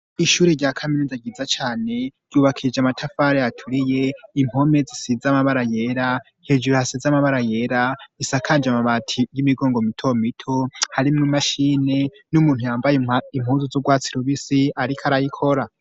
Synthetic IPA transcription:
iʃuːɾeɾɟakʰaminizaɡizat͡ʃaːne̞ɾ̥juːβakʰid͡ʒamatʰafaːɾejatʰuɾije̞im̥ho̞me̞zisizamaβaɾajeɾa | hed͡ʒuɾohasizamaβaɾaje̞ɾaisakʰaːnd͡ʒamaβatʰijimiɡo̞ːŋɡomitʰo̞mitʰohaɾimŋumaʃiːne̞ | numuːnhujaːmbajim̥huːnzuzuɡwaːt͡siɾoβisiaɾikʰaɾajikʰo̞ɾa

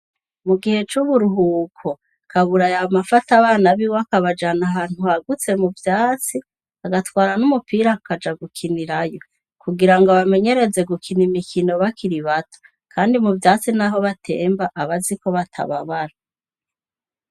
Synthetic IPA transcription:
muɡihe̞t͡ʃuβuɾuɦuːkʰo | kʰaβuɾajamafataβaːnaβiwakaβad͡ʒanaɦaːn̥huhaɡut͡se̞muvjaːt͡si | aɡatwaːɾanumupiːɾakad͡ʒaɡukʰiniɾajo̞ | kuɡiɾaŋɡoβame̞ɲe̞ɾe̞ze̞ɡukʰinimikino̞βakʰiɾiβatʰo̥ | kʰaːndimuvjaːt͡sinaɦo̞βatʰe̞ːmbaʔaβaziko̞βatʰa̰βaβaɾa

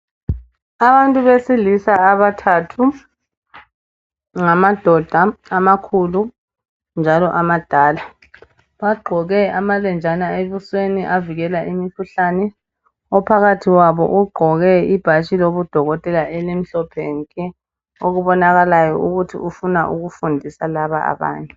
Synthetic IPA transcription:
aβantʼuβesilisaːβatʰatʰu | ŋamad̥ʱɔd̥ʱaːmakʰulu | nd͡ʒʱalɔʔamad̥ʱaːla | βaɡ͡ǃʱɔɣɛamalɛnd͡ʒʱanaeβusweniʔaviɣɛlaʔimikʰuɬanɛ | ɔpʰaɣatʰiwaβɔ̰ʔuɡ͡ǃʱɔɣɛib̥ʱat͡ʃʼiloβud̥ʱɔɣɔtʼɛlaʔɛlem̩ɬɔpʰɛŋkʼɛ | oɣuβɔnaɣalajɔʔuɣutʰḭʔufunaʔuɣufundʱisalaβa̰ʔa̰βa̰ːɲɛ

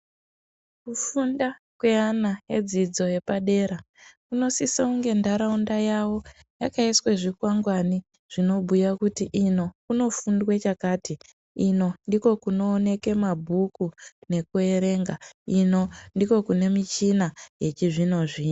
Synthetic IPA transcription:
kufunda | kweanajed͡zid͡zo̞je̞paɗe̞ːɾa | kuno̞sisauŋɡe̞ndaɾaundajawo̞ | jakaisweʐikwaŋɡwani | ʐ̥ino̞bʱujakutiʔino̞kuno̞fundwet͡ʃakaːti | ino̞ndiko̞kuno̞ːne̞ke̞mabʱukune̞kue̞ɾe̞ːŋɡaino̞ndiko̞kune̞mit͡ʃinaje̞t͡ʃiʐino̞ʐi

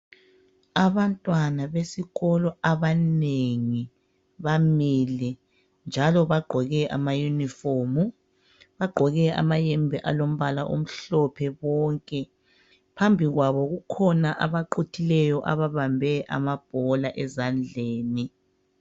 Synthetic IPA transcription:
aβantʼwanaβesiɣɔlɔaβaneŋi | βamilɛ | nd͡ʒʱalɔβaɡ͡ǃʱɔɣɛʔa̰majunifomu | βaɡ͡ǃʱɔɣɛa̰majɛmbʱɛʔalom̩βalaʔo̰m̩ɬɔpʰɛβɔːŋkʼɛ | pʰambʱiɣwaβɔɣukʰɔnaʔaβaǃutʰilɛjɔʔa̰βaβambʱɛʔa̰mab̥ʱɔlaʔɛzand͡ɮʱeːni

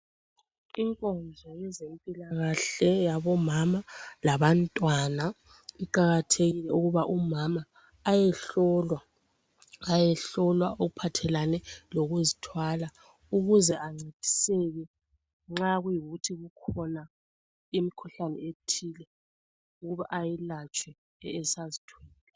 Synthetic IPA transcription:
iŋkʼɔnd͡ʒʱajɛzempʼilaɣaɬɛjaβɔmamalaβantʼwana | iǃaɣatʰeɣilɛuɣuβaʔumamaː | jɛɬɔlwa | ajɛɬɔlwaoɣupʰatʰɛlanɛloɣuzitʰwala | uɣuzɛʔaŋ͡ǀetʰʼi̥sɛɣɛ | ŋ͡ǁaɣujiɣutʰiɣukʰɔna | imikʰuɬanɛetʰilɛ | uɣuβaʔajɛlat͡ʃʼwɛː | sazitʰwɛːllɛ

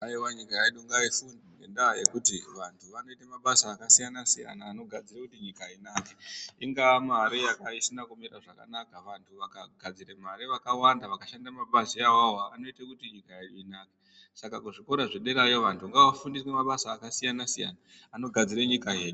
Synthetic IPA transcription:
aiwaɲikajaiɗuŋɡaifundiŋɡe̞̰ndaje̞kutiʋantʰuʋano̞itemaɓasaːkasijanasija̰naːno̞ɡʱad͡zirekutiɲikainaːkeiŋɡamaɾijakaisinakumira̰ʐaka̰nakaʋantʰuʋakaɡʱad͡ziɾe̞maɾiʋakawandaʋakaʃandamaɓaziawawaano̞itekutiɲikaeɗuinake | sakakuʐiko̞ɾaʐeɗeɾajo̞ʋantʰuŋɡaʋafundiswemaɓasaːkasijanasija̰naː | no̞ɡʱad͡ziɾeɲikaje̞ːɗu

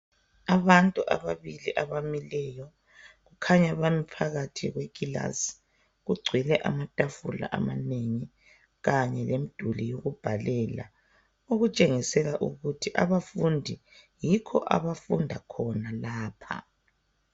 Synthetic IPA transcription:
aβantʼuʔa̰βaβiliʔaβamilɛːjɔ | ɣukʰaɲaβamipʰaɣatʰiɣwekʼila̰s | ɣuɡ͡ǀʱwilɛʔa̰matʼafula̰ʔamaneŋi | ɣaɲɛlemid̥ʱulijoɣub̥ʱalɛːla̰ | oɣut͡ʃʼeŋisɛɣaʔuɣutʰiʔaβafundʱi | jikʰɔ̰ʔa̰βafundʱakʰɔnalaːpʰa̰

